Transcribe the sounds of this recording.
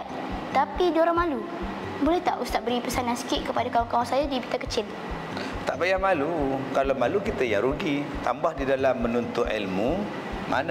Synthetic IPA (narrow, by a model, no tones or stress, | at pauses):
t̪apid͡ʒoɾaŋmalu | bolɛht̪aʔust̪aʔ̚bəɾipəsanansə̥kɪt̪̚kəpadakawaŋkawaŋsajadibit̪akət͡ʃɪl | t̪aʔbajamalukalawmalukit̪əjaŋɾuɡit̪ambahdidalamːənunt̪ʊʔḭlmu | ma̰n